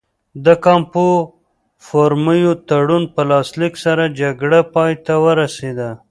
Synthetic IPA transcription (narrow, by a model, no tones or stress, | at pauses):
d̪əkɑmpo | foɾməjot̪aɽunpəlɑsliksaɾad͡ʒaɡɽapɑjt̪awəɾased̪a